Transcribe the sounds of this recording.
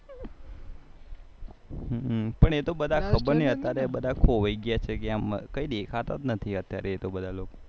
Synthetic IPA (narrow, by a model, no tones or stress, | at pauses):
pəɳet̪obəd̪ʱakʰəbəɾniət̪jaɾebəd̪ʱakʰoʋəjɡjat͡ʃʰekeaməkəid̪ekʰat̪a̰t̪nət̪ʰiət̪jaɾeːt̪obəd̪ʱaloko